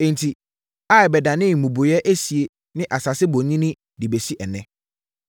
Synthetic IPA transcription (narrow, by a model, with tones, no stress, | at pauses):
ẽ˨n˨tʰi˨ | a˦˨ɛ˨bɛ˨da˨nɪ̃˦˨mũ˨bo˨jɛ˦ʔe˦si˨e˨ | nɪ̃˦ʔa˨sa˨sɪ˦bõ˨ɲĩ˦nɪ̃˦ | dɪ˨be˨si˦ʔɛ˨nɛ̃˦